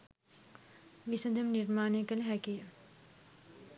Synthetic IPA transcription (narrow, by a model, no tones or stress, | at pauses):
ʋisəd̪əmniɾmaːnejkələɦækijə